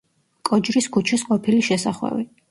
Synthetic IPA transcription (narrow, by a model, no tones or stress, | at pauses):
kʼɔd͡ʒɾiskʰut͡ʃʰisqʼɔpʰiliʃɛsaχwɛ̰vi